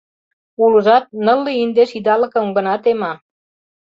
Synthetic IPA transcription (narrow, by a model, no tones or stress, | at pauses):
uləʒɑt̪̚nə̆lːiind̪eʃid̪ɑlə̆kə̆mɡə̆nɑt̪emɑ